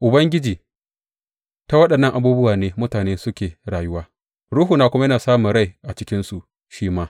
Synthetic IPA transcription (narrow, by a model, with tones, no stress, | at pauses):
ʔʊ˨bɐ˦ŋɡʲɪ˦d͡ʒiː˨ | ta˦wɐ˦ɗɐ˨nːɐ˦˨ŋʔa˨buː˦bʊ˦waː˨neː˦mʊ˦taː˨neː˦sʊ˦kʲeː˨ɽaː˨jʊ˦waː˦ | ɽuː˦ɦuː˨naː˨kʷʊ˦ma˦jɐ˦naː˨saː˦mʊ˨ɽa˦˨jʔa˨t͡ʃɪ˦kʲɪ˦nsu˨ʔ | ʃiː˦maː˦